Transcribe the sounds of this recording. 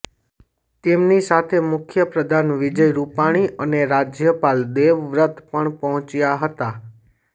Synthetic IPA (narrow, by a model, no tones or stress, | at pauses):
t̪emnisat̪ʰemʊkʰjəpɾəd̪ʱanʋɪd͡ʒəjɾupaɽ̃iʔəneɾad͡ʒjəpald̪eʋʋɾət̪pəɳpəɦɔ̃t͡ʃjaɦət̪a